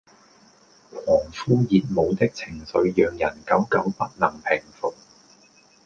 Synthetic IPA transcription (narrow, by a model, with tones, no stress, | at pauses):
kʰɔː˨˩ŋfuː˥jiː˨˧t̚mo˨˧wt̪ɪ˥k̚t͡sʰɪ˨˩ŋsɵ˨˧ɥjœː˨ŋjɐ˨˩nkɐ˨˥wkɐ˨˥wpɐ˥t̚lɐ˨˩ŋpʰɪ˨˩ŋfʊ˨˩k̚